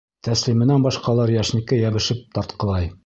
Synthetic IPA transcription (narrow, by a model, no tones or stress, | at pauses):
t̪æslimɘ̆nænbɒʃqɑlˠɑɾjæʃnikɘjæβɘ̆ʃɘp̚t̪ɒɾt̪qɤ̆lˠɑj